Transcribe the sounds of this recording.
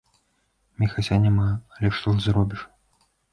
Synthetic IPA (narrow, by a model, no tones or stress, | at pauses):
mʲixat͡sʲanʲɛmaɐlʲɛʂt̪ɔɨzɾɔbʲiʂ